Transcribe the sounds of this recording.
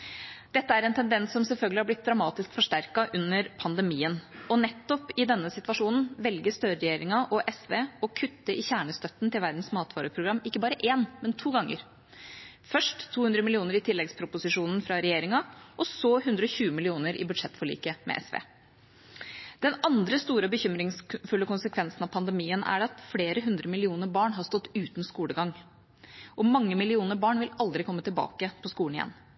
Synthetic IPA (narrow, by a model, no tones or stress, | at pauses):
d̪̥ɛt̪ːəæɾɛnt̪ʰɛnd̪ɛnsːɔmsɛlfœlɡlɪhɑɾblɪt̪̚d̪ɾɑmɑːt̪ɪskfɔʂʈæɾkɑʔʉnːəɾpʰɑnd̪əmiːənɔnɛt̪ːɔpɪd̪ɛnːəsɪt̪ʋɑʂuːnn̩ʋɛlɡəst̪œɾəɾɛjeːɾɪŋɑʔɔʔɛsʋeːɔkʰʉt̪ːəʔɪçæːɳəst̪œt̪n̩t̪ɪlʋæɾd̪n̩smɑːt̪ʰʋɑːɾəpʰɾʊɡɾɑmːɪkːəbɑːɾəʔeːnmɛnt̪ʰuːɡɑŋːə̰ɾ | fœʂʈt̪ʰːuːhʉnd̪ɾəmɪlɪuːnəɾɪt̪ʰɪlːɛɡspʰɾʊpʊsɪʂuːnn̩fɾɑɾɛjeːɾɪŋɑʔɔsɔhʉnd̪ɾəɔçʉːəmɪlɪuːnəɾʔɪ̰bʉd̪ʂɛt̪ːfɔɭḭːkəmʔɛ̰ʔɛ̰sʋḛː | d̪̥ɛnɑnd̪ɾəst̪uːɾəɔbəçʏmɾɪŋsfʉlːəkʊnsəkʰʋɛnsn̩ɑʋpʰɑnd̪ɛmiːənʔæ̰ɖɛɑt̪fleːɾəɦʉnd̪ɾəmɪlɪuːnəɾbɑːɳɦɑst̪ɔt̪ːʉːt̪n̩skuːləɡɑŋ | ʔɔmɑŋːəmɪlɪuːnəɾbɑːɳʋɪlɑld̪ɾɪkʰɔmːət̪ɪlbɑ̰ːkəpʰɔskuːɳ̩ɪjɛ̰nː